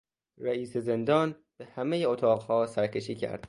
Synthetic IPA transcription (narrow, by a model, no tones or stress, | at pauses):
ɾæiːseze̞nd̪ɒːn | b̥ehæmejeot̪ʰɒːɣhɒːsæɾcʰʲe̞ʃiːcʰæ̰ɾd̪̥